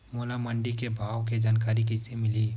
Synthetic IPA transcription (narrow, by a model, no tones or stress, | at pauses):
moːlaməɳɖikebʱaːwked͡ʒaːnkaːɾik̬isemɪli